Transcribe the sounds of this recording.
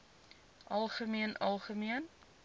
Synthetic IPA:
ʔɐlˠχəmiənʔɐlˠχəmiən

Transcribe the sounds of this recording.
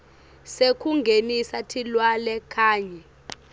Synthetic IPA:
sekʰuŋɡʱenisatʰilwalɛkʰaːɲɛ

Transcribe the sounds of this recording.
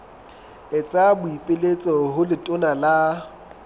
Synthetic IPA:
et͡sʼabʊipʼɪlet͡sʼɔɦʊlɪtʼʊnala

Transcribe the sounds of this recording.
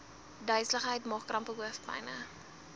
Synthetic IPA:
dœɥsləχɦəjtmɑːχkːrɐmpəɦuəfbɐ̰jnə

